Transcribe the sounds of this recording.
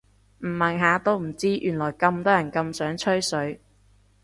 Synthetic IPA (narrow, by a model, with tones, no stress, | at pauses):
m̩˨˩mɐ˨˩nɦaː˨˧t̪o˥wm̩˨˩t͡siː˥ʔy̰ː˨˩nlɔː˨˩jkɐ˧mt̪ɔː˥jɐ˨˩nkɐ˧msœː˨˥ŋt͡ʃʰɵ˥ɥsɵ˨˥ɥ